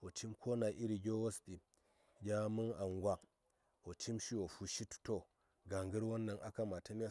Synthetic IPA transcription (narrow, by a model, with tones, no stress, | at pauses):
wo˨ti˦mkʰo˦na˨ʔi˦ɾi˨ɡʲo˦wo˦sɗi˨ | ɡʲa˦mɨ˦na˨ŋɡʷa˨k | wo˨ti˦mʃi˦wo˨fu˨ʃi˦tto˨ | ɡa˨ŋɡə˦ɾwo˦nːa˨ŋʔa˦ka˦ma˨ta˦mi˦ja˦